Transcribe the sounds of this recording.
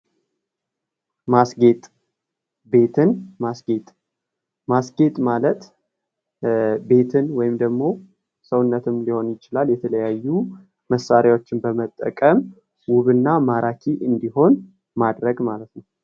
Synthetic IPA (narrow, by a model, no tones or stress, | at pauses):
masɡe̞t̪ʼ | be̞t̪ʰɨnmasɡet̪ʼ | masɡe̞t̪ʼmalət̪ | be̞t̪ʰɨnwɔjɪmd̪əɡmo̞ | səwʊnːət̪ʰɨmliho̞njɪt͡ʃɪlaljɛt̪ʰələjajːu | məsaɾjawo̞t͡ʃːɪnbəmət̪ʼːə̰kʼəm | wʊβɨnːamaɾʔakʰiʔɨnd̪iɦo̞n | mad̪ɾəɡmalət̪nəw